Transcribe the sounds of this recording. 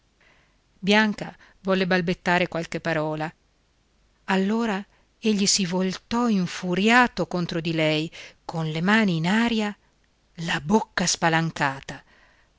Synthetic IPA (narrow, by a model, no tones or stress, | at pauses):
bjaŋka | vɔlːebalbet̪ːaːɾekwalkepːaɾɔːla | alːoːɾa | eʎːisivolt̪ɔiɱfuɾjaːt̪okont̪ɾod̪ilɛjkʰonlemaːniːnaːɾja | labokːaspalaŋkaːt̪a